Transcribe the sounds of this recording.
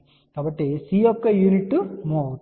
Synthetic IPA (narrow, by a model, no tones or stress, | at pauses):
kaːbɐʈːisiːjɔkːɐjuːniʈːumoːt̪